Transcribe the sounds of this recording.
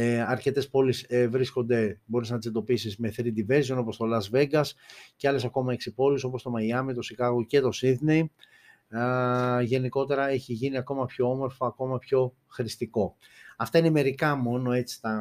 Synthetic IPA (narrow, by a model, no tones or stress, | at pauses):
ɐɾce̞t̪e̞spo̞lisvɾisko̞nd̪e̞bo̞ɾiznɐt̪ised̪o̞pisizme̞θɾid̪ive̞ɾsio̞no̞po̞st̪o̞lɐzve̞ɡɐsceɐle̞sɐko̞mɐe̞ksipo̞liso̞po̞st̪o̞mɐjɐmit̪o̞sikɐɣoce̞t̪o̞siðne̞j | ʝe̞niko̞t̪e̞ɾɐe̞çiʝiniɐko̞mɐpço̞o̞mo̞ɾfoɐko̞mɐpço̞ | xɾist̪iko̞ | ɐft̪ɐineme̞ɾikɐmo̞no̞e̞t͡si̥t̪ɐ